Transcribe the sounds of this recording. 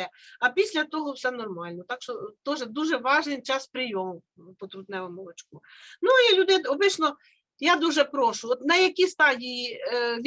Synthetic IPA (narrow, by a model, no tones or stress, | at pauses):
ɛɐpʲisʲlʲɐt̪ɔɦɔwsɛnɔrmɑlʲnɔt̪ɑkʃt͡ʃɔt̪ɔʒɛd̪uʒɛʋɑʒnɪjt͡ʃɑspɾɪjɔmʊ | pɔt̪ɾʊt̪nɛʋɔmɔlˠɔt͡ʃkʊ | nuilʲud̪ɪɔbɪʃnɔ | jad̪uʒɛpɾɔʃʊɔt̪nɐjɐkʲist̪ɑdʲijiʋʲ